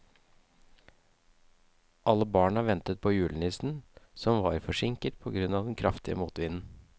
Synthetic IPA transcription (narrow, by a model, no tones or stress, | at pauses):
ʔɑlːəbɑːɳɑʋɛnt̪ət̪̚pʰoːjʉːlənɪsn̩sɔmʋɑɾfɔʂɪŋkəʈ̪̚pʰɔɡɾʉnɑːʋd̪ɛnkʰɾʔɑft̪ɪə̰muːt̪ʋɪnn̩